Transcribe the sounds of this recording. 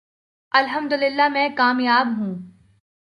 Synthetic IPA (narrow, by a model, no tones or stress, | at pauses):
ɐlɦɐmd̪ʊlɪlːamɛ̃kaːmjaːbɦũː